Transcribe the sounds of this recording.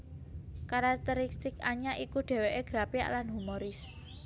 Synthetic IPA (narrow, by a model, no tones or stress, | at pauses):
kaɾak̚t̪əɾist̪ɪkaɲaʔikuɖ̥e̤weʔeɡ̥ɾapia̰ʔlanɦumoɾɪs